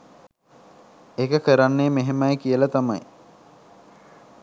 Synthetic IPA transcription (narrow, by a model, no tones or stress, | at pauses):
ekəkəɾanːeːmeɦemajkiəlat̪amaj